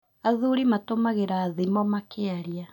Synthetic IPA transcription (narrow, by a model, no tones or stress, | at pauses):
aðuɾimatomaɣeɾaːðimɔmakeaɾia